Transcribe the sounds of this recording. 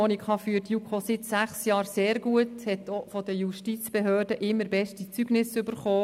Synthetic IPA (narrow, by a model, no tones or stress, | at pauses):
onikʰɑfyːətjukʰosɪtsæχsjɑːɾseːɾɡuəthɛtofɔd̪əjuʃtit͡sb̥eɦøːrdəʔɪmːəɾbɛʃtit͡syɡ̥nɪsʏbəɾχoː